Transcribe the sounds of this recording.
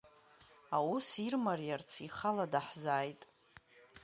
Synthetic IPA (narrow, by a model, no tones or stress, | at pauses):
awusirmarjart͡sʰiχaladaħzaːjtʼ